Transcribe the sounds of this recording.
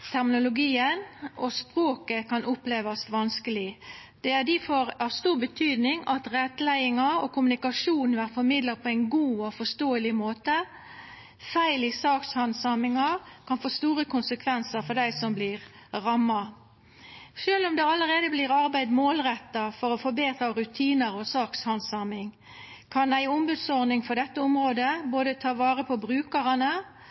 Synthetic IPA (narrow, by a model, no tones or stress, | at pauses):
t̪ʰæʁmɪnʊlʊɡiːənɔspʁoːkəkʰɑnʔʊpleːʋɑst̪ʋɑnskəlɪd̪̥ɛæd̪ifɔɾɑʋst̪uːʁbət̪ʰyːd̪nɪŋɑt̪ʁɛt̪ːlæɪɪŋɑɔkʰʊmʉnɪkɑʂuːnn̩ʋæːʁfɔɾmɪd̪ləpʰɔæɪnɡuːɔfɔst̪oːəlɪmoːt̪ə | fæɪlisɑːkshɑnsɑmɪŋɑkʰɑnfoːst̪uːʁəkʰʊnsəkʰʋɛnsəɾfɔd̪æɪsɔmblɪʁ | ʁɑmːɑ | ʂøːlʊmd̪ɛɑləʁeːd̪əbliːʁɑʁbæɪd̪moːlʁɛt̪ːɑfɔɾɔfɔbeːt̪ɾɑɾʉt̪ʰiːnəɾɔsɑːkshɑnsɑmɪŋ | kʰɑnæɪʊmbʉd̪sɔʁnɪŋfɔd̪ɛt̪ːəʊmʁoːd̪əboːd̪ət̪ʰɑːʋɑːʁəpʰɔbɾʉːkəʁɑnə